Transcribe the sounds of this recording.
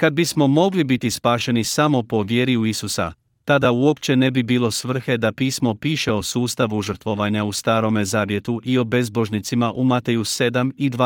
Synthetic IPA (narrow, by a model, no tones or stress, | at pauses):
kad̪̚bismo̞mo̞ɡlibit̪ispaːʃe̞nisamo̞po̞ʋje̞ɾiuisusa̰ | t̪ad̪auo̞pt͡ɕe̞ne̞bibiːlˠo̞sʋr̩xe̞d̪apiːsmo̞piːʃe̞o̞suːst̪aʋuʒr̩t̪ʋo̞ʋaɲaust̪aːɾo̞mezaːʋje̞t̪uʔio̞be̞zbo̞ʒnit̪simaʔumat̪ejuse̞d̪amid̪ʋa